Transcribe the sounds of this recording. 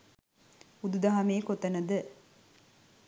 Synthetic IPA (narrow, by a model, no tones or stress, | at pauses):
ud̪ud̪ɐɦɐmeːkot̪ɐnɐd̪ə